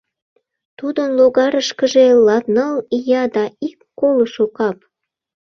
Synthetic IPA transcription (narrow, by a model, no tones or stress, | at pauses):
t̪ud̪ənloɣɑɾəʃkəʒelɑt̪nəlijɑd̪ɑikːoloʃokɑp